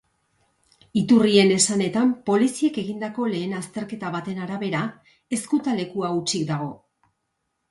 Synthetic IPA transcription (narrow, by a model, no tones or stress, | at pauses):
it̪urie̞ne̞sane̞t̪ampo̞lisieke̞ɣind̪ako̞le̞ːnast̪e̞ɾke̞t̪aβat̪e̞naɾaβe̞ɾa | e̞skut̪ale̞kuaut͡ʃikd̪aɣ̞o̞